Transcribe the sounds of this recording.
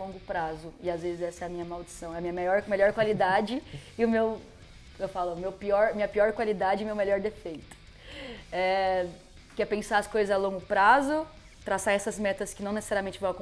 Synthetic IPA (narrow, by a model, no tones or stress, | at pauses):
lõŋɡʊpɾazʊɪazvezɪzɛsɐɛɐmĩɲɐmawd͡ʒisɐ̃w̃ɛɐmĩɲɐmejɔɾmeʎɔɾkwalid̪ad͡ʒɪɪʊmew | ewfalʊmewpiɔɾmĩɲɐpiɔɾkwalid̪ad͡ʒɪmewmeʎɔɾd̪efejt̪ʊ̥ | ɛ | kɪɛpẽsaɾɐskojzɐzalõŋɡʊpɾazʊ | t̪ɾasaɾɛsɐzmɛt̪ɐskɪnɐ̃nese̥saɾiɐmẽnt͡ʃɪvɐ̃w̃ɐkõ